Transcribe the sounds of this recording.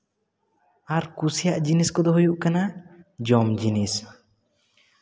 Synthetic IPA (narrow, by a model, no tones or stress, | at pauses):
aɾkusijaʔd͡ʒiniskɔd̪ɔɦujuʔkanad͡ʒɔmd͡ʒinis